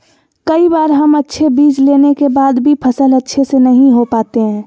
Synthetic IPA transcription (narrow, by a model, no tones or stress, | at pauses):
kɐibaːɾɦɐmətːʃʰebiːd͡ʒleːnekebaːd̪bʱipʰəsəlɐtːʃʰesenɐɦĩɦopaːt̪eɦɛ̃ː